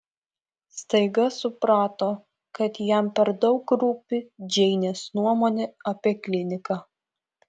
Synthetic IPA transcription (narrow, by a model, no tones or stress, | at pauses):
st̪ɐɪɡɐsʊpɾɑːt̪oː | kɐt̪jæˑmpʲɛɾd̪ɒʊkɾupʲud͡ʒʲɛɪnʲeːsnuɔmoːnʲeɐpʲiɛklʲɪnʲɪkɑː